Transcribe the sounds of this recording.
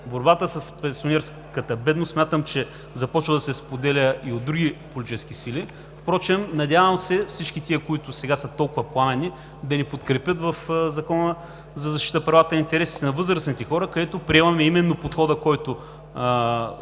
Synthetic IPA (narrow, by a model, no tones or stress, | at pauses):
boɾbat̪əsɐspɛnsionɛɾs | kət̪əbɛd̪nossmʲjat̪əmt͡ʃɛ | zɐpɔt͡ʃvəd̪ɐsɛspod̪ɛlʲəiod̪ɾuɡʲipolʲitt͡ʃt͡ʃɛskisili | fpɾɔt͡ʃɛmnɐd̪ʲavɐmsɛfsit͡ʃkit̪iəkoit̪ʊsɛɡasət̪ɔlˠkʊvɐplˠanɛni | d̪ɐnipot̪kɾɛpʲjət̪vɐfzɐkɔnə | zɐzɐʃt̪i̥t̪əpɾɐvat̪ənɐint̪ɛɾɛsi̥t̪ɛnɐvɤzɾəsnit̪ɛxɔɾəkɐd̪ɛt̪opɾiɛmɐmɛimɛnːopot̪xɔd̪əkɔjt̪ʊ